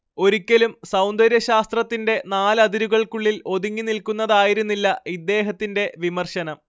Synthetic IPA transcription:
o̞ɾukʲːɐlumsɐwnd̪ɐɾjɐɕaːst̪rɐt̪ːinde̞naːlɐd̪iɾuɣɐɭkuɭːilo̞ðuŋːinilkunːɐðaːjiɾunːilːɐid̪ːe̞ːɦɐt̪ːinde̞ʋimɐrɕɐnɐm

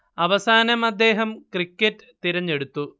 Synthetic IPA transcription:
ɐʋɐsaːnɐmɐd̪ːe̞ːɦɐmkrikʲːɐtːɨt̪iɾɐɲːe̞ɽut̪ːu

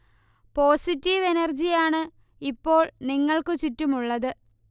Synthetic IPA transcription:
po̞ːsitːiʋenɐrd͡ʑijaːɳɨ | ipːo̞ːɭniŋːɐɭkɨt͡ɕutːumuɭːɐðɨ

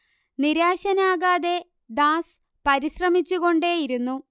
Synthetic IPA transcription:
niɾaːɕɐnaːɣaːðe̞ | d̪aːs | pɐɾiɕrɐmit͡ɕːuɣo̞ɳɖe̞ːjiɾunːu

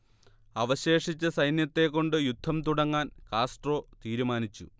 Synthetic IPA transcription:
ɐʋɐɕe̞ːʂit͡ɕːɐsɐjnjɐt̪ːe̞kːo̞ɳɖɨjud̪ʱːɐmt̪uɽɐŋːaːnkaːsʈro̞ːt̪iːɾumaːnit͡ɕːṵ

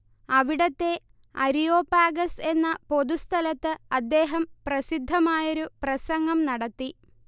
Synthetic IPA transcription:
ɐʋiɽɐt̪ːe̞ | ɐɾijoːpːaːɡɐse̞nːɐpo̞d̪ust̪ʰɐlɐt̪ːɨɐd̪ːe̞ːɦɐmprɐsid̪ʱːɐmaːjoɾuprɐsɐŋɡɐmnɐɽɐt̪ːi

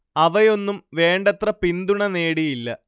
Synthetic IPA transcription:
ɐʋɐjo̞nːumʋe̞ːɳɖɐt̪rɐpind̪uɳɐne̞ːɽijilːɐ̰

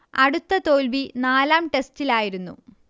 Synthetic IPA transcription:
ɐɽut̪ːɐt̪o̞ːlʋinaːlaːmʈe̞stilaːjiɾunːṵ

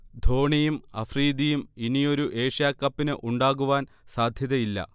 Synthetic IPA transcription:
d̪ʱo̞ːɳijumɐ̰friːd̪ijuminijo̞ɾuʔe̞ːʂjaːkːɐpːinɨʔuɳɖaːɣuʋaːn | saːd̪ʱjɐðɐilːɐ̰

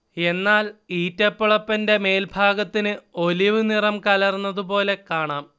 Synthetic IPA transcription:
e̞nːaːliːtːɐpːuɭɐpːɐnde̞me̞ːlbʱaːɡɐt̪ːinɨo̞liʋɨnirɐmkɐlɐrnːɐðup̬o̞ːle̞kaːɳaːm

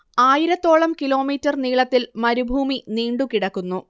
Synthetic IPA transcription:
aːjiɾɐt̪ːo̞ːɭɐmkilo̞ːmiːtːɐrniːɭɐt̪ːilmɐɾubʱuːminiːɳɖukiɽɐkːunːu

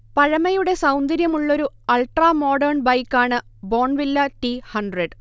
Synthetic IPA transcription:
pɐɻɐmɐjuɽe̞sɐwnd̪ɐɾjɐmuɭːo̞ɾu | ɐlʈraːmo̞ːɖɐrɳbɐjkːaːɳɨ | bo̞ːɳʋilːɐʈihɐɳɖreɖ

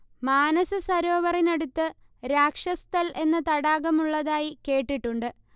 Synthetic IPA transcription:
maːnɐsɨsɐɾo̞ːʋɐrineɽut̪ːɨ | ɾaːkʂɐst̪ʰɐlʔe̞nːɨt̪ɐɽaːɣɐmuɭːɐðaːjike̞ːʈːiʈːuɳɖɨ

